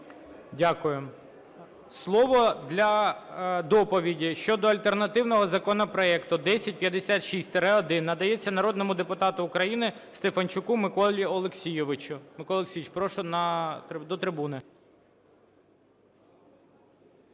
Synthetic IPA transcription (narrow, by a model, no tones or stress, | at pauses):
dʲakʊjʊm | slˠɔʋɔd̪lʲɐ | d̪ɔpɔʋʲidʲiʃt͡ʃɔd̪ɔɐlʲt̪ernɐt̪ɪwnɔɦɔzɐkɔnɔpɾɔɛkt̪ʊd̪ɛsʲɐt̚ʲpʲjɐd̪esʲat̪ʃisʲt̪eɾɛɔd̪ɪnːɐd̪ɐjɛt͡sʲːɐnɐɾɔd̪nɔmʊd̪epʊt̪ɑt̪ʊːkɾɐjinɪst̪efɐnʲt͡ʃʊkumɪkɔlʲiɔlˠeksʲijʋɪt͡ʃʊmɪkɔlˠeksʲijit͡ʃpɾɔʃʊnɐd̪ɔt̪ɾɪbunɪ